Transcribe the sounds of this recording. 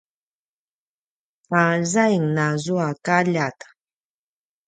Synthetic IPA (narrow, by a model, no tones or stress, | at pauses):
pazajiŋnazuakaʎat̪ḁ